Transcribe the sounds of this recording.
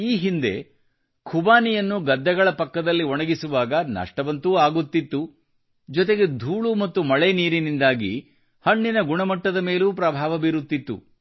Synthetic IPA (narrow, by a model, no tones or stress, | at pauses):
iːɦind̪e̞̰ | kʰubaːnijɐnːuɡɐd̪ːɐɡɐɭɐpɐkːɐd̪ɐlːiɔɳɐɡisuʋaːɡɐnɐ̰ʂʈɐʋɐnt̪uːaːɡut̪ːit̪ːu | d͡ʒɔt̪̬eɡe̞d̪ʱuːɭumɐt̪ːumɐɭeniːɾinind̪aːɡḭ | hɐɳːinɐɡuɳɐmɐʈːɐd̪ɐme̞ːluːpɾɐbʱaːʋɐbiɾut̪ːit̪ːṵ